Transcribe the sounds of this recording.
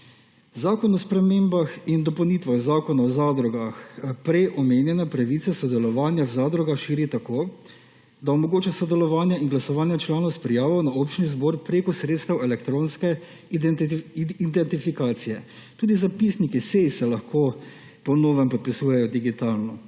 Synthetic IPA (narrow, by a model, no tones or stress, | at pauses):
zaːkɔnɔspɾɛmeːmbaxind̪ɔpɛwniːt̪ʋaɣzaːkɔnaɔzaːd̪ɾɔɡaxpɾɛjʔɔmeːnjɛnɛpɾaʋiːt̪sɛsɔd̪ɛlɔʋaːnjawzaːd̪ɾɔɡaxʃiːɾit̪akoː | d̪aɔmɔɡoːt͡ʃasɔd̪ɛlɔʋaːnjaiŋɡlasɔʋaːnjat͡ʃlaːnɔwspɾijaːʋɔwnaoːpt͡ʃnizboːɾpɾeːkɔsɾeːt̪st̪ɐwɛlɛkt̪ɾoːnskɛ | id̪ɛnt̪ifikaːt̪sijɛ | t̪uːd̪izapisnikisejsɛlaxko | pɔnoːʋɛmpɔt̪̚pisuːjɛjɔd̪iɡit̪aːlnɔ